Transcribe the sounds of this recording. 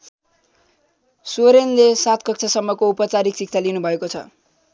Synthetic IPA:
soɾenlesat̪ʰkʌk̚t͡sʰasʌmːʌkoupʌt͡saɾiksik̚t͡sʰalinubʱʌekot͡sʰʌ̰

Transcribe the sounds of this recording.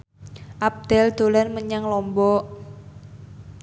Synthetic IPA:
ʔap̚d̪̥ɛld̪̥o̤lanməɲaŋlɔmbɔ

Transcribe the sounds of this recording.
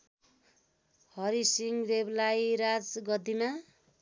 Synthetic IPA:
hʌɾisiŋɡdeblajɾad͡zɡʌd̪ima

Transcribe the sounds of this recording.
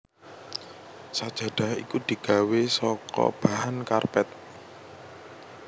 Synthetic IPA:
sad̥ʒ̥a̤ɖ̥a̤hḭkud̪̥i̤ɡ̥a̤wesɔkɔ̰b̥a̤hankarpɛt̪̚

